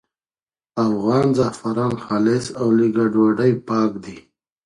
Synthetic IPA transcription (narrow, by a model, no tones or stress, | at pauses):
afɣɑːnzafaɾɑːnxalesawliɡaɖwaɖajpɑːkd̪i